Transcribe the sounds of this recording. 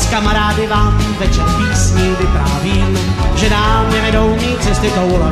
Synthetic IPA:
skamaɾaːdɪvaːmvɛt͡ʃaɾpiːsɲɪvɪpɾaːviːʒɛnaːmnɛvɛdowmiːt͡sɛst̪ɪkowlɛ

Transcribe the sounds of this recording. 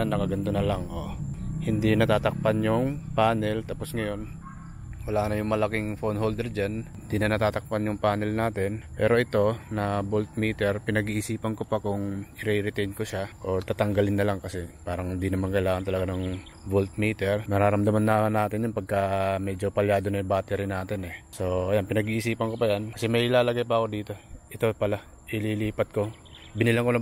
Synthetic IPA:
nːɐkɐɡɐnt̪onɐlaŋʔo̰hɪnd̪inɐt̪aːt̪ɐk̚panjʊŋpaːnɛlt̪aːpo̞sŋɐjo̞n | wɐlaːnɐjʊŋmɐlɐkɪŋfonhold̪ɛɾd͡ʒanhɪnd̪inɐnɐt̪aːt̪ɐk̚panjʊŋpaːnɛlnaːt̪ɛnpɛ̰ːɾo̞ʔɪt̪o̞nɐbolt̪̚miːt̪ɛɹpɪnɐɡiʔɪsiːpɐnkopɐakʊŋɪɾiɾɪt̪ɛjnkoʃaʔo̞ɹt̪aːt̪ɐŋɡɐlɪnːɐlaŋkɐsɛpaːɾɐŋɪnd̪inɐmankɐɪlaːŋɐnt̪ɐlɐɡanɐŋ | bolt̪̚miːt̪ɛɹnɐɾaːɾɐmd̪ɐmanːɐʔɐŋanːaːt̪ɪnjʊŋpɐɡ̚kɐmɛːd͡ʒo̞pɐljaːd̪onɐjʊbaːt̪ɛɾɪnaːt̪ɪnɛso̞ʔɐjanpɪnɐɡiʔɪsiːpɐŋko̞pɐjankɐsɛmɐjʔɪlaːlɐɡajpɐɐko̞d̪iːt̪o̞ʔɪt̪o̞pɐla | ʔɪliːliːpɐt̪̚ko̞ | bɪnɪlɐŋkolɐ

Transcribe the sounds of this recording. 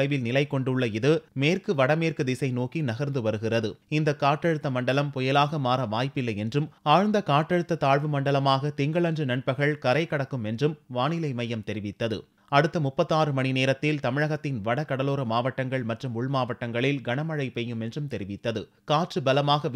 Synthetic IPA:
ɐɪʋɪlnɪlɐɪkɔɳɖɯɭːɐɪðɯmeːrkɯʋɐɽɐmeːrkɯd̪ɪsɐɪnoːkinɐɣɐɾnd̪ɯʋɐɾɯɣɪrɐðɯɪnd̪ɐkaːʈːɐɻɯt̪ːɐmɐɳɖɐlɐmpɔjɐlaːɣɐmaːɾɐʋaːjpɪlːɐjɛndrɯmaːɻnd̪ɐkaːʈːɐɻɯt̪ːɐt̪aːɻʋɯmɐɳɖɐlɐmaːɣɐt̪ɪŋɡɐɭɐndrɯnɐɳpɐɣɐɭkɐɾɐɪkɐɽɐkːɯmɛndrɯmʋaːnɪlɐɪmɐjːɐmt̪ɛɾɪʋɪt̪ːɐðɯ̰ | ɐɽɯt̪ːɐmʊpːɐt̪ːaːɾɯmɐɳineːɾɐt̪ːɪlt̪ɐmɪɻɐɣɐt̪ːɪnʋɐɽɐkɐɽɐloːɾɐmaːʋɐʈːɐŋɡɐɭmɐʈrɯmʊɭmaːʋɐʈːɐŋɡɐɭɪlɡɐɳɐmɐɻɐɪpɛjɯmɛndrɯmt̪ɛɾɪʋɪt̪ːɐðɯ̰ | kaːʈrɯbɐlɐmaːɣɐ

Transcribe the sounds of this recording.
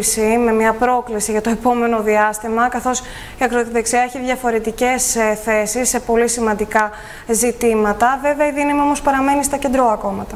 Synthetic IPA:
sime̞mɲɐpɾo̞klisiʝɐt̪o̞e̞po̞me̞no̞ðiɐst̪imɐkɐθo̞s | iɐkɾot̪iðeksiɐeçiðʝɐfo̞ɾe̞t̪ice̞sθe̞sisːe̞po̞lisimɐnd̪ikɐ | zit̪imɐt̪ɐve̞veɐiðinɐmio̞mo̞spɐɾɐme̞nist̪ɐce̞nd̪ɾo̞ɐko̞mɐt̪ɐ

